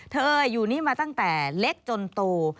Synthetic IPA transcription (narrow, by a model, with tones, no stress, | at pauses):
t̪ʰɤː˧ʔɤː˧jːuː˨˩niː˥˩maː˧t̪a˥˩ŋt̪ɛː˨˩le˦˥k̚t͡ɕo˧nt̪oː˧